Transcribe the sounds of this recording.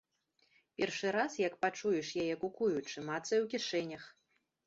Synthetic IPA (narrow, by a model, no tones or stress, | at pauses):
pʲɛrʂɨɾasjɐkpat͡ʂujɛʂjajɛkukujut͡ʂɨmat̪sɐwkʲiʂɛnʲɐx